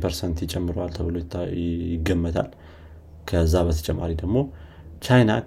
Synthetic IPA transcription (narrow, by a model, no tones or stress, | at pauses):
pʰəɾsənt̪ɪt͡ʃʼɛmːɨɾowalt̪ʰəβɨlojt̪ːɪɡəmːət̪ʰa̰l | kʰəzːabət̪ʰə̥t͡ʃʼɛmːa̰ɾid̪əɡmo̞ | t͡ʃajna̰